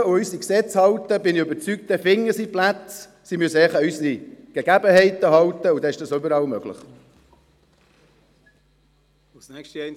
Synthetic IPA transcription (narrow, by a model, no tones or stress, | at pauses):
uysiksɛt͡shɑwt̪əbɪniøbəɾt͡syk̚t̚d̪̥ɛfɪŋəsiplæt͡s | simyəsəɛχəysiɡ̥eɡæbəhɛɪt̪əɦɑwt̪əud̪ɛɪʃd̥ɑsøbəɾɑlmœɡ̥lə̰χ | snɛkʃtiɛn